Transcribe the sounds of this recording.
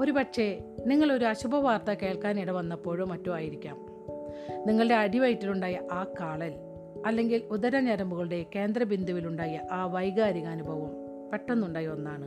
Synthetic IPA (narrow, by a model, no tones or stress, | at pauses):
o̞ɾupɐʈʂe̞niŋːɐɭo̞ɾuɐɕubʱɐʋaːrt̪ɐke̞ːɭkaːniɽɐmʋɐnːɐpoːɻumːɐtːomaːjiɾikʲːa̰ːm | niŋːɐɭɨɽe̞ɐɽiʋɐjtːiluɳɖaːjɐʔaːkaːɭɐl | ɐlːe̞ŋɡilud̪ɐɾɐɲɐɾɐmbuɣɐɭuɽe̞ke̞ːnd̪rɐbind̪ʱuʋiluɳɖaːjɐʔaːʋɐjɣaːɾiɣɐːnubʱɐʋɐm | pe̞ʈːɐnːuɳɖaːjonːaːɳɨ